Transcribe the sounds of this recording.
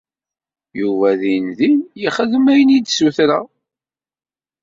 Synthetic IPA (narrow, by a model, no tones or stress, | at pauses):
juvæðinðinjiχəðəmæjənid̪suθɾæ